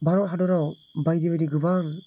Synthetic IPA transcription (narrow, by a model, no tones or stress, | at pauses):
baɾɔʔɦadɔɾaw | bajdibadiɡɯbaŋ